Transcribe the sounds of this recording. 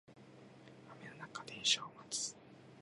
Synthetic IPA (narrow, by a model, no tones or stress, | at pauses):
amenanakad̪ẽɰɕoːmat͡sɨ̥